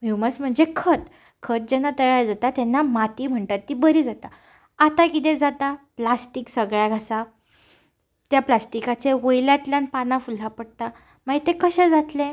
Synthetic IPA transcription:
miwməsm̤əɳd͡zekʰət̪ | kʰət̪̚d͡ʑɛnːat̪əjaɾd͡zat̪at̪jɛnːamat̪iːm̤əɳʈ̪at̪ːibəɾiːd͡zat̪a | at̪akit̪̬ɛ̃d͡zat̪aplasʈiksəɡɭjaɡʱasa | t̪japlasʈikat͡seʋojljãt̪ljãnpanãfulapəɽt̪a | maɡit̪ekəɕɛ̃d͡zat̪lẽ

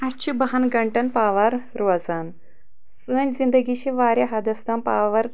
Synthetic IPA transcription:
ɐt͡ɕibɐɦanɡɐɳʈɐnpaːʋaɾ | ɾɐzan | səːnzind̪əɡiɕiʋaːɾʲjaɦad̪ɐst̪ampaʋɐɾ

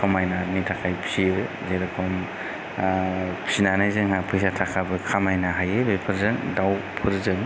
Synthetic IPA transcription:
kʰamajnaɾnitʰakʰajpʰsiɯ | zeɾakʰɔm | pʰsinanajzɯŋapʰɯjs̬atʰakʰabɯkʰamajnaɦajɯbepʰɯɾzɯŋdawpʰɯɾzɯŋ

